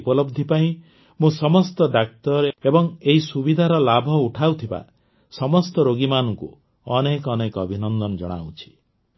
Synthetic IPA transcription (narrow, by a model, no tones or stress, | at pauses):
pɔlɔbd̪ʱipaĩ | mũsɔmɔst̪ɔd̪ak̚t̪ɔɾebɔŋeɦisubid̪ʱaɾɔlabʱɔuʈʰawt̪ʰiba̰ | sɔmɔst̪ɔɾoɡimanɔŋkṵ | ɔnekɔnekɔbʱinɔnd̪ɔnɔd͡ʒɔ̰ɽ̃a̰wt͡ʃʰi̥